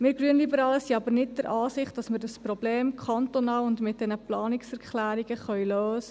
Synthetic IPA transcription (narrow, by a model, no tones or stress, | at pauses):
mɪːɾɡɾyənlibəɾɑːləsiɑbəɾnɪt̚d̥əɾʔɑːsɪχtd̥ɑsməɾdɑsprobleːmkʰχɑnt̪onɑːlʊndmɪt̚d̥ɛnəplɑːnɪksɛɾkχlæːɾiɡəχœɥløːsə